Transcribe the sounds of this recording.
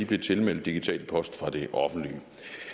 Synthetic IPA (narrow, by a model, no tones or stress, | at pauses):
ib̥le̝t͡sʰe̝lmel̰d̥ːiɡ̥it͡sʰɛ̰ːlpʰɒ̽sd̥fʁɑ̈d̥e̝ʔɒ̽fn̩d̥liə